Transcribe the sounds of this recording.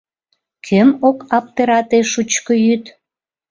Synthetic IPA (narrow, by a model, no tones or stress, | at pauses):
kʰømokɑp̚t̪eɾɑt̪eʃut͡ɕkojyt̪